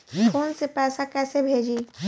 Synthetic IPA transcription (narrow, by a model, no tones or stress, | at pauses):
koːnsepɛːsakɛːsebʱeːd͡ʒiː